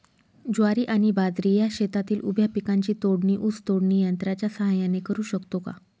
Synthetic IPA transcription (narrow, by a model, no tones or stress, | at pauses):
d͡ʑaɾiːʔaɽ̃ibad̪ɾijaɕet̪at̪iːlubʱjapikãɲt͡ɕiːt̪oɽɳiːʔut͡st̪oɽɳiːjənt̪ɾat͡ɕjasəɦajanekəɾuːɕəkt̪oka̰